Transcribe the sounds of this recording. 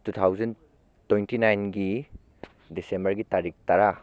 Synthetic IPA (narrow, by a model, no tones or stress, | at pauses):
tut̪ʰawzɐn | tːojntinajnɡi | disembɐɾɡitaɾik̚taɾa